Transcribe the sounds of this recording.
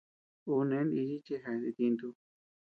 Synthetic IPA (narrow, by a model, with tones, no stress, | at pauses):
u˧nẽ˧˦ni˧ji˦t͡ʃe˧ɦa˧d̪i˧t̪i˧nd̪u˧